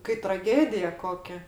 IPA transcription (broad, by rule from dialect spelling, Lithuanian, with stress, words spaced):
kɐɪ trɐˈɡʲeːdʲɪjɛ ˈkoːkʲɛ